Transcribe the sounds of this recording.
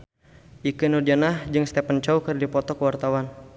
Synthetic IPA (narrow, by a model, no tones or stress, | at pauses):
ikənudianahd͡ʒɨŋst̪epənt͡ʃɔwkɨrdipɔt̪ɔkəwart̪awan